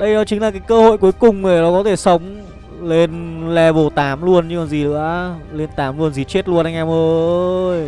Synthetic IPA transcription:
ɗə˧jnɔ˨˦t͡ɕï˨˦ŋ̟laː˨˩kaː˨˦jkəː˧ho̰˧˨jku˨˦əjkʊ˨˩ŋ͡mɗe˧˩nɔ˨˦kɔ˨˦t̪ʰe˧˩sə˨˦wŋ͡m | le˧nlɛ˧˩vo˨˧˩t̪aː˨˦mlu˧ənɲɨ˧maː˨˩zi˨˩lɨ̰˧˥əle˧nt̪aː˨˦mlu˧ənzi˨˩t͡ɕe˦˥t̚lu˧ənʔa˧jŋʔɛ˧mʔəː˧j

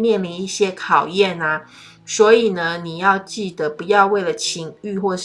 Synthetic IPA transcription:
mjɛ˥˨nli˧˥ni˥˩ɕjɛ˦kʰɑ˨˩ʊjɛ˥˨na˩ | swɔ˧˥i˨˩nə˦ni˨˩jɑ˥˧ʊt͡ɕi˥˩d̪ə˩pu˨˦jɑ˥˧ʊwe˥˩ɪlə˩t͡ɕʰi˧˥ŋy˥˧xwɔ˥˧

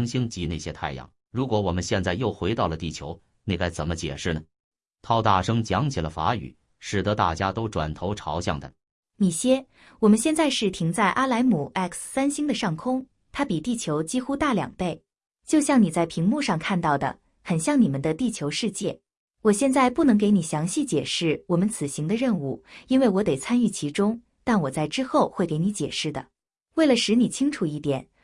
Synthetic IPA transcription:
ŋɕi˥ŋt͡ɕi˧˥ne˥˩ɪɕjɛ˥t̪ʰa˥˧ɪjɑ̰˥˩ŋ | ɻu˧˥kwɔ˧˥wɔ˨˩mə˦nɕjɛ˥˧nt͡sa˥˧ɪjo˥˩ʊxwe˧˥ɪt̪ɑ˥˩ʊlə˩t̪i˥˩t͡ɕʰjo˧˥ʊ | ni˥˧˩ka˥˩ɪt͡sə˨˩nmə˦t͡ɕjɛ̰˨˩ʂɻ̩˥˩nə˩ | t̪ʰɑ˥ʊt̪a̰˥˩ʂɤ˥ŋt͡ɕjɑ˧˥ŋt͡ɕʰɛ˨˩lə˦fa̰˧˥y̰˨˩˦ | ʂɻ̩˨˩t̪ɤ˧˥t̪a̰˥˩t͡ɕja˥t̪o˥ʊʈ͡ʂwa̰˨˩nt̪ʰo˧˥ʊʈ͡ʂʰɑ˧˥ʊɕjɑ̰˥˩ŋd̪ə̰˩ | ni˨˩ɕjɛ˥ | wɔ˨˩mə˦nɕjɛ˥˧nt͡sa˥˧ɪʂɻ̩˥˩t̪ʰi˧˥ŋt͡sa˥˩ɪʔa˥la˧˥ɪmu˨˩ɛ˥˩kʰssa˥nɕi˥ŋd̪ə˨ʂɑ˥˩ŋkʰʊ˥ŋ | t̪ʰa˥pi˨˩t̪i˥˩t͡ɕʰjo˧˥ʊt͡ɕi˥xu˥t̪a˥˩ljɑ̰˨˩ŋpe˥˩ɪ | t͡ɕjo˥˧ʊɕjɑ˥˩ŋni˨˩t͡sa˥˩ɪpʰi˧˥ŋmu˥˧ʂɑ˥˧ŋkʰa˥˧nt̪ɑ˥˩ʊd̪ə̰˩ | xə˨˩nɕjɑ˥˩ŋni˨˩mə˨nd̪ə˧t̪i˥˩t͡ɕʰjo˧˥ʊʂɻ̩˥˧t͡ɕjɛ˥˩ | wɔ˨˩ɕjɛ˥˧nt͡sa˥˧ɪpu˥˩nɤ˧˥ŋke˧˥ɪni˨˩ɕjɑ˧˥ŋɕi˥˩t͡ɕjɛ˨˩ʂɻ̩˥˩wɔ˨˩mə˦nt͡sʰɹ̩˨˩ɕi˧˥ŋd̪ə˧ɻə˥˧nu˥˩i˥nwe˥˩ɪwɔ˧˥t̪e˨˩ɪt͡sʰa˥ny˥˩t͡ɕʰi˧˥ʈ͡ʂʊ˥ŋ | t̪a˥˩nwɔ˨˩t͡sa˥˩ɪʈ͡ʂɻ̩˥xo˥˧ʊxwe˥˩ɪke˧˥ɪni˧˥t͡ɕjɛ̰˨˩ʂɻ̩˥˩d̪ə̰˩ | we˥˩ɪlə˩ʂɻ̩˧˥ni˨˩t͡ɕʰi˥ŋʈ͡ʂʰu˨˩i˥˩t̪jɛ̰˨˩˦n

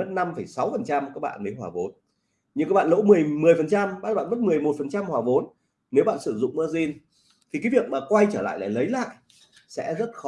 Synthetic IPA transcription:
ə˦˥t̚na˧mfə˧˩jsa˨˦wfə˨˩nt͡ɕa˧mkaː˦˥k̚ɓa̰ː˧˨nlə˨˦jɦwaː˨˩vo˨˦n | ɲɨ˧ŋkaː˦˥ɓa̰ː˧˨lo̰˧˥mɨ˨˩əjmɨ˨˩əjfə˨˩nt͡ɕa˧mɓaː˦˥t̚ɓaː˧˨nmə˦˥t̚mɨ˨˩əjmo˨˩t̚fə˨˩nt͡ɕa˧mhwaː˨˩vo˨˦n | ne˨˦wɓa̰ː˧˨nsɨ˧˩zʊ̰˧˨ŋ͡mmɨː˧zi˧n | t̪ʰi˨˩kaː˨˦jvi˨˩ək̚maː˨˩kwa˧jt͡ɕəː˧˩la̰ː˧˨jla̰ː˧˩jlə˨˦jla̰ː˧˨jʔ | sɛ̰˧˥zə˦˥t̚xɔ˨˦

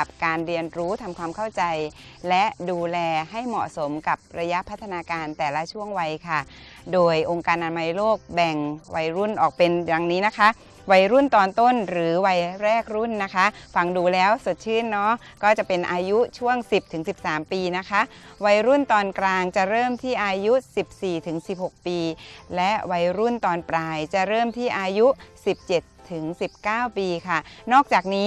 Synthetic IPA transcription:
p̚kaː˧nɾi˧ənɾuː˦˥t̪ʰa˧mkʰwaː˧mkʰa˥˩wt͡ɕa˧jlɛ˦˥ʔduː˧lɛː˧ha˥˩jmɔ̰˨˩ʔso˩˦mka˨˩p̚ɾa˧ja˦˥pʰa˦˥t̪ʰːa˧naː˧kaː˧nt̪ɛː˨˩la˦˥t͡ɕʰu˥˩əŋwa˧jkʰa˥˩ | doː˧jʔo˧ŋkaː˧nʔa˧nma˧jloː˥˩k̚bɛ˨˩ŋwa˧jɾu˥˩nʔɔː˨˩k̚pe˧nja˨˧ŋniː˦˥na˦˥kʰa˦˥ʔ | wa˧jɾu˥˩nt̪ɔː˧nt̪o˥˩nɾɯː˩˦wa˧jɾɛː˥˩k̚ɾu˥˩nːa˦˥kʰa˦˥ʔfa˧ŋduː˧lɛː˦˥wso˨˩t̪̚t͡ɕʰɯː˥˩nːɔ˦˥ | kɔː˥˩t͡ɕa˨˩pe˧nʔaː˧ju˦˥t͡ɕʰu˥˩əŋsi˨˩p̚t̪ʰɯ˩˦ŋsi˨˩p̚saː˩˦mpiː˧na˦˥kʰa˦˥ʔwa˧˥jɾu˥˩nt̪ɔː˧nkɾaː˧ŋt͡ɕa˨˩ɾɤː˥˩mt̪ʰiː˥˩ʔaː˧ju˦˥si˨˩p̚siː˨˩t̪ʰɯ˩˦ŋsi˨˩p̚ho˨˩k̚piː˧lɛ˦˥ʔwa˧˥jɾu˥˩nt̪ɔː˧npɾaː˧jt͡ɕa˨˩ɾɤː˥˩mt̪ʰiː˥˩ʔaː˧ju˦˥si˨˩p̚t͡ɕe˨˩t̪ʰːɯ˩˦ŋsi˨˩p̚kaː˥˩wpiː˧kʰa˥˩nɔː˥˩k̚t͡ɕaː˨˩k̚niː˦˥

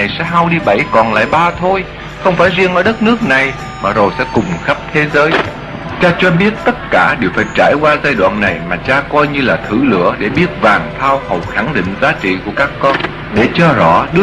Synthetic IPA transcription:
a˨˩jsɛ̰˧˥ɦa˧wɗi˧ɓa˧˩jkɔ˨˩nla̰ː˧˨jɓaː˧t̪ʰo˧j | xə˧wŋ͡mfaː˧˩jzi˧əŋʔəː˧˩ɗə˦˥t̚nɨ˦˥ək̚na˨˩j | maː˨˩zo˨˩jsɛ̰˧˥kʊ˨˩ŋ͡mxə˦˥p̚t̪ʰe˨˦zəː˨˦j | t͡ɕaː˧t͡ɕɔ˧ɓi˦˥ət̚t̪ə˦˥t̚kaː˧˩ɗe˨˩wfaː˧˥jt͡ɕa̰ː˧˩jkwaː˧zaː˧jɗwa̰ː˧˨nːa˨˩jmaː˨˩t͡ɕaː˧kɔ˧jɲɨ˧laː˨˩t̪ʰɨ˧˩lɨ̰˧˥əɗe˧˩ɓi˦˥ət̚vaː˨˩ŋt̪ʰaː˧whə˨˩wxa˧˩ŋɗḭ˧˨ŋ̟zaː˨˦t͡ɕḭ˧˨ku˧˩əkaː˦˥kːɔ˧n | ɗe˧˩t͡ɕɔ˧zɔ̰˧˥ɗɨ˦˥

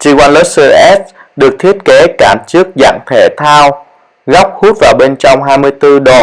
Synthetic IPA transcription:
t͡ɕi˧kwa˧jŋlo˦˥t̚səː˧ʔɛ˦˥s̚ɗɨ˨˩ək̚t̪ʰi˦˥ət̚ke˨˦kaː˧˩mt͡ɕɨ˦˥ək̚za̰˧˨ŋt̪ʰe˧˩t̪ʰaː˧w | ɣɔ˦˥wk͡p̚hu˦˥t̚vaː˨˩wɓe˧nt͡ɕɔ˧wŋ͡mɦaː˧jmɨ˧əjt̪ɨ˧ɗo˨˩

